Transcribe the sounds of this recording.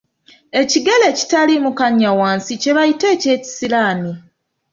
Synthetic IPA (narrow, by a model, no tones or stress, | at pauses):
e̞ciɡe̞le̞ːci̥talimukaɲːawaːnsice̞βajite̞ːce̞ːci̥silaːni